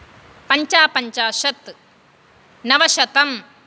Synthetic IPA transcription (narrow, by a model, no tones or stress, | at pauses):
pɐɲt͡ʃaːpɐɲt͡ʃaːʃɐt̪ | nɐʋɐʃɐt̪ɐm